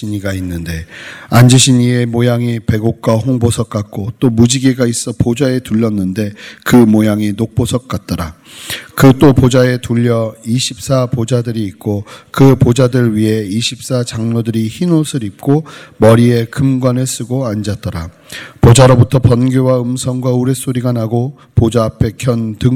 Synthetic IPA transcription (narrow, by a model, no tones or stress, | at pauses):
iɲiɡainːɯnde̞and͡ʑɯɕʰiɲie̞mojaŋipe̞ɡok̚k͈wahoŋbosʰʌk̚k͈ak̚k͈ot͈omud͡ʑiɡiɡais͈ʌpod͡ʑae̞tuʎːʌnːɯnde̞kɯmojaŋinok̚p͈osʰʌk̚k͈at̚t͈ʌɾa | kɯt͈opod͡ʑae̞tuʎːʌiɕʰip̚s͈apod͡ʑadɯɾiːt̚k͈okɯpod͡ʑadɯɭɥiɦe̞iɕʰip̚s͈at͡ɕaŋɲodɯɾiçinosʰɯɾip̚k͈omʌɾie̞kɯmɡwanɯɭs͈ɯɡoand͡ʑat̚t͈ʌɾa | pod͡ʑaɾobutʰʌpʌnɡjowaɯmsʰʌŋɡwauɾe̞s͈oɾiɡanaɡo | pod͡ʑaːpʰe̞kʰjʌndɯ